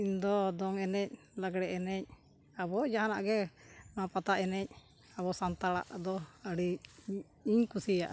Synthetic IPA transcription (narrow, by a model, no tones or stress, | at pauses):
iɲd̪ɔd̪ɔŋɛnɛc̚ | laɡɽɛʔɛnɛc̚ | abɔd͡ʒaɦana̰ʔɡɛmãpat̪aʔɛnɛc̚ˀ | aβɔsant̪aɽa̰ʔd̪ɔəɽi | iɲkusija̰ʔ